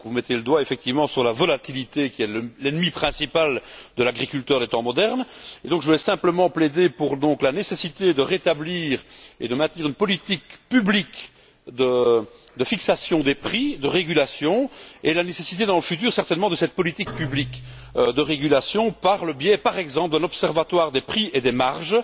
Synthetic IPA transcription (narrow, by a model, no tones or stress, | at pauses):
kəvumɛt̪jeləd̪waefɛk̚t̪ivmɑ̃syʁlavɔlat̪ilit̪ekʲiɛllɛnmipχɛ̃sipald̪əlaɡʁikʲylt̪œːʁd̪et̪ɑ̃mɔd̪ɛʁned̪ɔ̃kʒəvulɛsɛ̃pləmɑ̃pled̪epuʁd̪ɔ̃klanesesit̪ed̪əʁet̪abliːʁḛd̪əmɛ̃t̪niːʁynpɔlit̪ikpyblik | d̪ə | d̪əfiksasjɔ̃d̪epχid̪əʁeɡylasjɔ̃elanesesit̪ed̪ɑ̃ləfyt̪yːʁsɛʁt̪ɛnmɑ̃d̪əsɛt̪̚pɔlit̪ik̚pyblik | ød̪əʁeɡylasjɔ̃paʁləbjɛpaʁɛɡzɑ̃pld̪ɛ̃nɔpsɛʁvat̪waʁd̪epχiʔed̪ɛmaʁʒ